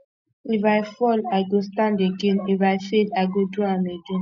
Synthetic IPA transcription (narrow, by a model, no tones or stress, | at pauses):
ifaɪfɔlaɪɡostãndeɡẽnifajfelaɪɡoduameɡẽn